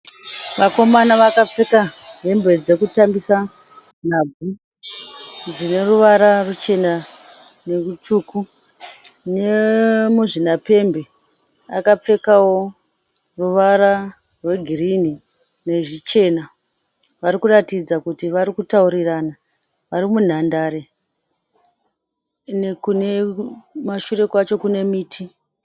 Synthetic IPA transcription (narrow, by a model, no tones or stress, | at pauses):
ʋako̞manaʋakap͡fe̞kaɦe̞mbe̞d͡ze̞kutambisa | n̤ab͡vʱu | d͡zine̞ruʋaɾarut͡ʃe̞na | nerut͡ʃuːku | ne̞muʐinape̞mbe̞ | a̰kap͡fe̞kawo̞ | ruʋaɾa | rwe̞ɡʱirini | ne̞ʐit͡ʃe̞na | ʋaɾikuratid͡zakutiʋaɾikutauɾirana | ʋaɾimun̤andaɾe | ne̞kune̞maʃure̞kwat͡ʃo̞kune̞miːtʰi